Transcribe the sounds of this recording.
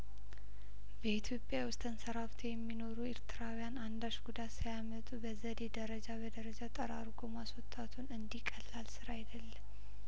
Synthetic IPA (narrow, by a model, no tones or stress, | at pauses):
bəit̪ʰjo̞pʼːjawʊst̪ʼɨnsəɾaft̪ʰojɛmːino̞ɾueɾt̪ʰɨɾawjanand̪aʃɡud̪at̪sajamət̪ʼubəzəd̪ed̪əɾəd͡ʒabəd̪əɾəd͡ʒat̪ʼəɾaɾɡo̞maswɔt̪ʼːat̪ʰunɨnd̪ikʼːəlːalsɨɾajd̪əlːəm